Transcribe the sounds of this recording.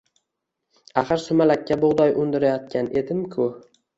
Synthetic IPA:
aχɨɾsʊmalakʲːaboʁd̪ɒjʔʊnd̪ɪɾajɒt̪̚kʲʰane̞d̪ɪmkʰʊ

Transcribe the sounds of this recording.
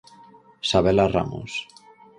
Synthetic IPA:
saβelara̰mo̰s

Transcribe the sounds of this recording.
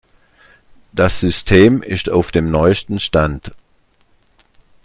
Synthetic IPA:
d̥asz̥ʏstʰeːmɪstaʊfd̥eːmnɔʏstn̩ʃtant

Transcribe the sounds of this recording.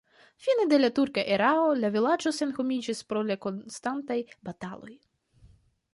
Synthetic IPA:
fined̪e̞lat̪uɾkaʔeɾaolavʲilad͡ʒose̞nxomʲid͡ʒispɾo̞lako̞nst̪ant̪ajbat̪alo̞̰j

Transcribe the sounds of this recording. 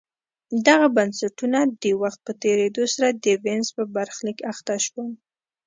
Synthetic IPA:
d̪aɣabansaʈunad̪əwaxt̪̚pət̪eɾed̪osaɾad̪əvenzpəbaɾxlikaxt̪aʃwəm

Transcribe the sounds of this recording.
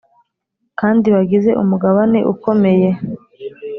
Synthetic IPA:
kaːndiβaɡize̞ʔṵmuɡaβaneʔuko̞me̞je̞

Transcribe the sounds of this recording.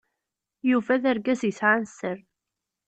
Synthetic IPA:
juvæðæɾɡæzjəsʕansəɾ

